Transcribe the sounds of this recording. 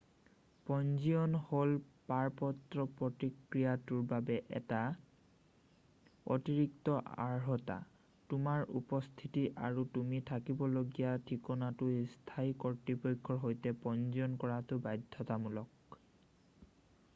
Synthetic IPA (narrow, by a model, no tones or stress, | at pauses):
pɔnziɔnholpaɹpɔtɹɔpɹɔtikɹijatuɹbabɛʔɛ̰ta | o̰tiɹiktɔʔa̰ɹɦɔta̰ | tʊmaɹṵpɔst̪ʰitiʔa̰ɹutumitʰakibɔloɡijatʰikɔnatʊstʰaikɔɹtɹipojkʰːɔɹɦojtɛpɔnziɔnkɔɹatʊbajdʱɔtamulɔk̚